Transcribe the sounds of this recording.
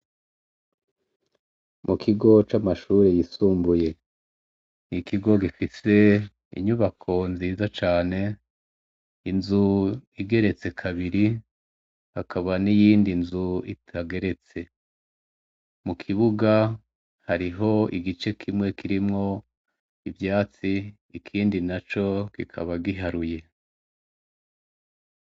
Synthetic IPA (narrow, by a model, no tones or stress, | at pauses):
mukʰiɡo̞t͡ʃamaʃuːɾejisuːmbuje̞ | nikiɡo̞ɡifise̞ | ḭɲuβakʰo̞nziːzat͡ʃaːne̞ | inzuiɡe̞ɾe̞t͡se̞kʰaβiɾi | hakʰaβanijiːndinzuḭtʰaɡe̞ɾe̞t͡se̞ | mukʰiβuɡa | haɾiɦo̞iɡit͡ʃe̞kʰimŋe̞kʰiɾimŋo̞ | ivjaːt͡siː | kʰiːndinat͡ʃo̞kikʰa̰βaɡiɦaɾuje̞